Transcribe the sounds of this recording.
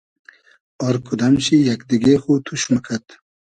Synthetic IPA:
ɔɾkʰud̪amʃijakd̪iɡeχut̪ʰuʃmakʰat̪

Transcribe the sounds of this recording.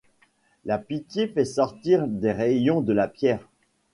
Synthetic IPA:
lapit̪jefɛsɔʁt̪iʁd̪eʁejɔ̃d̪əlapjɛːʁ

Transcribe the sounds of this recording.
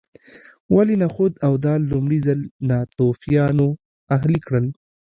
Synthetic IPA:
walinaxod̪awd̪ɑlʊmɽizalnɑt̪ofijɑno | aɦlikɽəl

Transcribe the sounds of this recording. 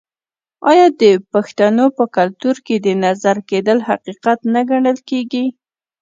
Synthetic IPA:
ɑjɑd̪əpaxt̪anopəkalt̪uɾked̪ənazaɾked̪əlhaqiqat̪naɡaɳəlkeɡi

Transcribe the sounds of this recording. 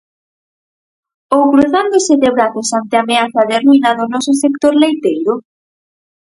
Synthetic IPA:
owkɾuθand̪osɪðeβɾaθosant̪eameaθaðerujnaðonɔsʊsekt̪oɾlejt̪ejɾo

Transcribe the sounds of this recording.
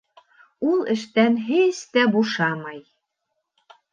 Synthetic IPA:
ulˠɘ̆ʃt̪ænɦest̪æbuʃɑmɑj

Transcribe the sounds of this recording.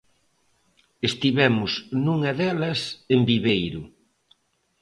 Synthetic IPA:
est̪iβɛmʊsnũŋɐðɛlɐsembiβejɾʊ

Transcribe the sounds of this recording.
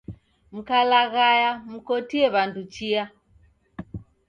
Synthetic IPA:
m̩kalaɣajam̩kɔtiɛβandut͡ʃia

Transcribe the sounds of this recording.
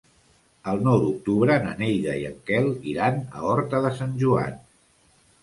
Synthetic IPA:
əlˠnɔwd̪uk̚t̪uβɾəːnə̰nejðəiə̰ŋkɛlˠiɾanə̰ɔɾt̪əðəsanʲʒua̰n

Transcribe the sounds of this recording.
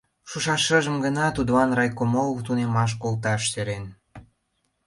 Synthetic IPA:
ʃuʃɑʃəʒə̆mɡənɑt̪ud̪βɑnrɑjkomolt̪unemɑʃ̬kolt̪̬ɑʃseɾen

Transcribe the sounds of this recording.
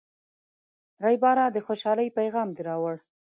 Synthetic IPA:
ɾajbɑɾɑd̪əxoʃɑləjpajɣɑmd̪eɾɑwəɽ

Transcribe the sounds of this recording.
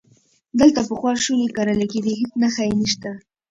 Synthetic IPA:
d̪əlt̪apəxwɑʃulekaɾalaked̪iɦɪt͡snaxajeniʃt̪a

